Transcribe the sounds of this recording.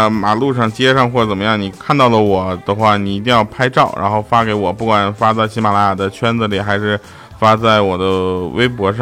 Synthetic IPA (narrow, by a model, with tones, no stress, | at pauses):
ma˨˩lu˥˧ʂɑ˥˩ŋt͡ɕjɛ˥ʂɑ˥˧ŋxwɔ˥˩t͡sə˨˩nmə˦jɑ˥˩ŋni˨˩kʰa˥˧nt̪ɑ˥˩ʊlə˩wɔ˨˩˦d̪̥ə˧xwa˥˩ni˨˩i˧˥t̪̬i˥˧ŋjɑ˥˩ʊpʰa˥ɪʈ͡ʂɑ˥˩ʊɻʔa̰˧˥nxo˥˧ʊfa˥ke˧˥ɪwɔ˨˩pu˥˩kwa˨˩nfa˥t͡sa˥˩ɪɕi˧˥ma˨˩la˧˥ja˨˩d̪ə˦t͡ɕʰɥɛ˥nd͡z̩˧li˨˩xa˧˥ɪʂɻ̩˥˩ | fa˥t͡sa˥˩ɪwɔ˨˩d̪ə˦wḛ˥ɪp̬wɔ˧˥ʂɑ˥